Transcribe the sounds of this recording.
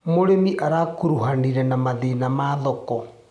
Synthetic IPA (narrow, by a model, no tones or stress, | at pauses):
moɾemiʔaɾaːkuɾuɦaniɾɛnamaðenamaðɔkɔ